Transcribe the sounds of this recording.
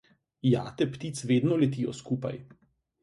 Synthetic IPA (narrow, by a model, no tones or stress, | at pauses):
jaːt̪ɛpt̪iːt̪sʋeːd̪nɔlɛt̪ijɔ̰skupa̰j